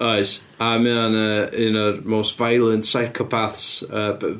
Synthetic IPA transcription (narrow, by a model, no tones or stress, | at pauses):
ɔjs | amɛanəːɪnəmowstvajlˠəntsajkʰɔpʰaθsəː